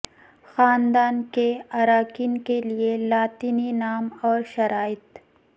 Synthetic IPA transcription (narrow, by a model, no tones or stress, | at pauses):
xaːnd̪aːnkeaɾaːkinkelielaːt̪ininaːmɔːɾʃɐɾaːɪt̪